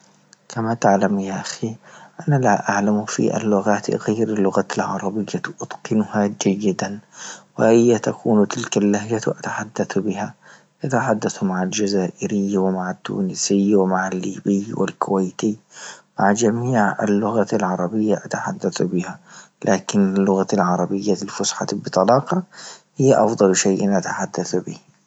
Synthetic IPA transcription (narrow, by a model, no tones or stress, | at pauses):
kʰamat̪aʕlamjaːʔaxiːʔanalaʔaʕlamfḭʔa̰lːʊɣaːt̪ɣajɾalːʊɣalʕɑ̰ɾˤɑbɪjːaʔʊd̪̥qɪnʊhad͡ʒajːɪd̪anwɪ̰ʔajːat̪akʰuːnt̪ɪlkalːahd͡ʒaʔat̪ḁħad̪ːaθbɪha | ʔat̪aħad̪ːaθmaʕald͡ʒazaːʔɪɾɪjːwɪmaʕat̪ːṵːnɪsɪjwɪmaʕalːiːbɪːwɪ̰lkʰʊwajt̪iːmaʕd͡ʒamiːʕa̰lːʊɣalʕɑɾˤɑbɪjːaʔat̪aħad̪ːaθbɪha | lʔaːkɪnɪlːʊɣalʕɑɾˤɑbɪjːalfʊsħɑbɪt̪ˤɑlɑːqɑhɪjːaʔɑfd̪ˤɑlʃajʔɪnʔat̪ḁħad̪ːaθbɪːh